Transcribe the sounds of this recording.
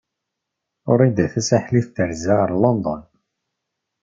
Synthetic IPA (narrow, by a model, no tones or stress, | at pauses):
ʊ̰ɾid̪æθæsaħliθθəɾzæɾˤlond̪ˤɔn